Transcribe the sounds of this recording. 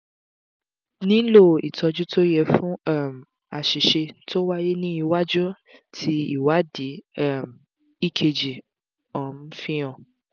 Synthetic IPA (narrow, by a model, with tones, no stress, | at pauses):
nĩ˦lo˦˨ḭ˨tɔ˧d͡ʒu˦to˦jɛ˧fũ˦ɛ˦˨m˨ | a˨ʃi˨ʃe˧to˦wa˦je˦nĩ˦i˧wa˦d͡ʒu˦ | tʰi˧˦i˦˨wa˨˦di˨˦ɛ˦˨m˨ | i˦kʰe˧d͡ʒi˨ | ɔ˨n̩˦fĩ˦ɔ̃˨